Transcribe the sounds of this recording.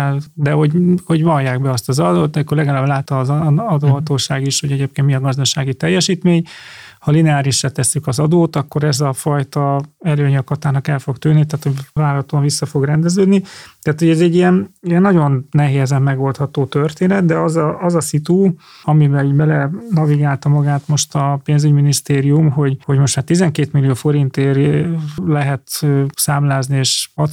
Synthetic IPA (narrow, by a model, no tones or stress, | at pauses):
d̪ɛɦo̞ɟho̞ɟvɒjːaːɡbɛɒst̪ɒzɒd̪oːt̪ːɛmikːorlɛɡalaːblaːt̪ɒːzɒd̪oːɦɒt̪oːʃaːɡiʃho̞ɟɛɟeːp̚keːnt̪miɒɡɒzd̪ɒʃaːɡit̪ɛjːɛʃiːt̪meːɲhɒlinɛaːɾiʃraːt̪ɛsːykɒzɒd̪oːt̪ɒkːo̞ɾɛzɒfɒjt̪ɒɛløːɲɒkɒt̪aːnɒkɛlfo̞ɡt̪yːnːit̪aːt̪ho̞ɟvaːlɒt̪oɱvisːɒfo̞ɡrɛnd̪ɛzøːd̪nit̪aːt̪ho̞ɟɛzɛɟːijɛnijɛnːɒɟo̞nnɛɦeːzɛmːɛɡo̞lt̪hɒt̪oːt̪ørt̪eːnɛd̪d̪ɛɒzɒʔɒzɒsit̪u | ɒmibɛliɟbɛlɛnɒviɡaːlt̪ɒmɒɡaːt̪mo̞ʃt̪ɒpeːnzyɟminist̪eːɾijumɦo̞ɟho̞ɟmo̞ʃt̪maːt̪ːizɛŋkeːt̪milːijoːfo̞ɾint̪eːr | lɛɦɛt̪øːsaːmlaːznieːʃɒ